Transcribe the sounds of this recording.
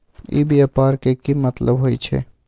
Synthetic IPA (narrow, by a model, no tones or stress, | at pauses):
jḭbjapaɾkekimət̪ləbɦojt͡ʃʰɛ̰